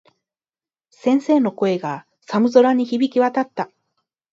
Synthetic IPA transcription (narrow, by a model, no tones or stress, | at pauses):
sẽ̞ɰ̃se̞ːno̞ko̞e̞ɡa | samɯ̟zo̞ɾaɲ̟içibʲikʲiβat̪at̪ːa